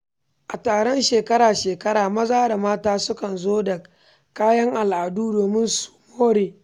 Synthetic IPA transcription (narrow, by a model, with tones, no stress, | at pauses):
ʔa˨taː˨ɽɔ˦nʃeː˨kɐ˦ɽaː˨ʃeː˨kɐ˦ɽaː˨mɐ˦zaː˦da˨maː˦taː˦sʊ˦kɐ˨nzoː˦dɐ˨ | kaː˦jɐ˦ŋʔa˨lʔa˨duː˦doː˨mɪ˦nsu̥˨moː˦ɽeː˨